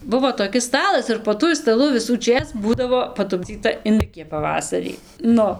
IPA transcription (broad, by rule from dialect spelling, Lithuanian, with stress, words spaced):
ˈbʊʋoː toːˈkʲɪs ˈstɑːlˠɐs ɪr poː ˈtuɔj stɐˈlˠʊ ʋʲɪsuːˈt͡ʃʲeːs ˈbuːdɐʋoː pɐtʊbʲˈd͡zʲiːtɐ ɪnˈdɨkʲiɛ pɐˈʋɑːsɐrʲiː ˈnʊ